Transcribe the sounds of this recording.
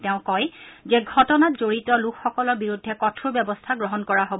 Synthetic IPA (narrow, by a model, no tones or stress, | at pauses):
tɛʊ̃kɔjzɛɡʱɔtɔnatzoɹitɔlukʰxɔkɔlɔɹbiɹudʱːɛkɔtʰubjɛbɔstʰaɡɹɔɦɔnkɔɹaɦob